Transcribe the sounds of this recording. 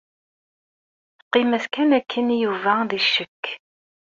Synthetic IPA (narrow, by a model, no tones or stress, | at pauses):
qːimæθkænækʰːənjuvæðiʃːəkː